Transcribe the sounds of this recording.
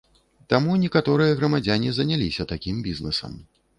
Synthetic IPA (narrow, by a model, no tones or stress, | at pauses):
t̪amunʲɛkat̪ɔɾɨjɐɣɾɐmad͡zʲanʲizɐnʲalʲisʲɐt̪akʲimbʲiznɛsɐ̰m